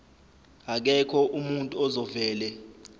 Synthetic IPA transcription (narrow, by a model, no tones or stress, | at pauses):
ak̬ɛkʰɔʔumuntʼuɔzɔvɛːlɛ